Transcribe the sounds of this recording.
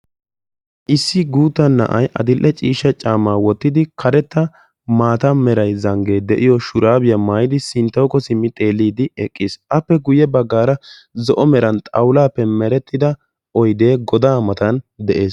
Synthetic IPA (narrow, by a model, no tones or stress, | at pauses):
ʔɪsːɪɡuːt̪ːɐnːɐ̰ʔɐjʔɐ̰d̪ɪlʔːɛt͡ʃʼiːʃːɐt͡ʃʼaːmaːwɔt̪ːɪd̪ɪkʰɐɾɛt̪ːɐ | maːt̪ɐmɛɾɐjzɐŋɡe̞ːd̪ɛʔɪjɔʃʊɾaːbɪjɐmaːjɪd̪ɪsɪnt̪ːɐwkɔsɪmːɪt̪ʼe̞ːlːiːd̪ɪɛkʼːɪsʔɐpːɛɡʊjɛbɐɡːaːɾɐzɔʔɔmɛɾɐnt̪ʼɐwlaːpːɛmɛɾɛt̪ːɪd̪ɐ | ʔɔjd̪e̞ːɡɔd̪aːmɐt̪ɐnd̪ɛʔe̞ːs